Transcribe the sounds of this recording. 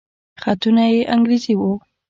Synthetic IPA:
xat̪unajeʔaŋɡɾiziwo

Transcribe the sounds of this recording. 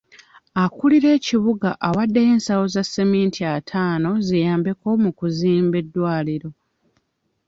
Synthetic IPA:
akuliɾe̞ːciβuɡaʔaβadːeje̞ːnsawo̞zasːemiːntʰiatʰaːno̞zijaːmbe̞ko̞mukuziːmbe̞dːwaːliɾo̞

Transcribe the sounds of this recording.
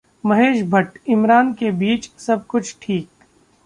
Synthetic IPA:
mɐɦeːʃbʱɐʈɪmɾaːnkebiːt͡ʃsɐb̚kʊt͡ʃʰʈʰiːk̚

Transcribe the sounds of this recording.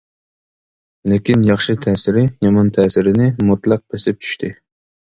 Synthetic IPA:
lekʲinjɑχʃɨt̪ʰɛːsɪɾɪjɑmɑnt̪ʰɛːsɪɾɪnɪmut̪lˠɑq̚besɪp̚t͡ʃʰy̥ʃt̪ʰɪ

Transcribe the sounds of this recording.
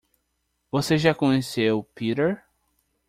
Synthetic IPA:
voseʒakõɲesewpiɾeɾ

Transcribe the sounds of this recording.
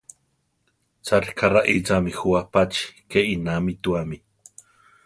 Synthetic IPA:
t͡saɾikʰaraʔit͡samixuapat͡ʃi̥keʔinamit̪uami

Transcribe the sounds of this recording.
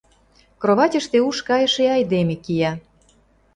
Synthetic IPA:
kroβɑtʲə̆ʃt̪euʃkɑjə̆ʃeɑjd̪emekijɑ

